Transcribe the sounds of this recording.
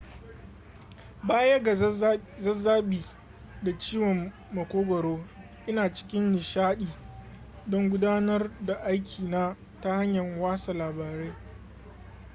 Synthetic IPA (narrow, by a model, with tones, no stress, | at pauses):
baː˦jɐ˦ɡa˨zɐ˦zaː˦ɓiː˨ | da˨t͡ʃiː˦wɔ˨mː | ɐ˨kʷoː˦ɡʷɐ˨ɾoː˦ | ʔɪ˦naː˨t͡ʃɪ̥˦kʲɪ˦nːɪ˨ʃaː˦ɗiː˨ | dɔ˦ŋɡʷʊ˦daː˦nɐ˦rda˨ʔa˦jkʲʰiː˨naː˦ | ta˦ha˦ɲjɐ˨ŋwaː˦sa˨laː˨baː˨ɾeː˦